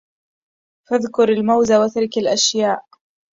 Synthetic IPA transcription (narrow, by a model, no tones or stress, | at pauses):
faðkʊɾalmawzawat̪aɾˤkalʔaʃjaːʔ